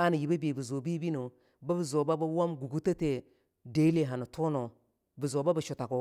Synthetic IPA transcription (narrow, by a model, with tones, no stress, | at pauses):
a˦ni˨ji˨ba˦be˨bi˨zo˨bi˦bi˦no˨ | ba˦bi˨zo˨ba˦ba˦wa˦mɡu˨ɡu˦ta˦te˨ | de˦le˨ɦa˨nu˨to˦no˨ | bu˨zo˨ba˦ba˨ʃu˨ta˨ko˨